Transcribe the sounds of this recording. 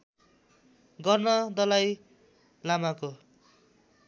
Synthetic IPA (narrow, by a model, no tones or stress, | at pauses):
ɡʌrnʌd̪ʌlaj | lamako